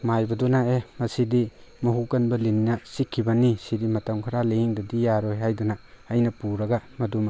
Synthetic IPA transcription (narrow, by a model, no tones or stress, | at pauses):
majbɐdunaemɐsidimɐɦukɐnbɐlinnɐsikʰːibɐnisidimɐtɐmkʰɐɾaliŋdɐdijaɾojɦajdunaːjnɐpuɾɐɡamɐduma